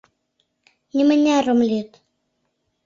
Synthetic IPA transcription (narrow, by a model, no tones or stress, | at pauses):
ɲəməɲaromljot̪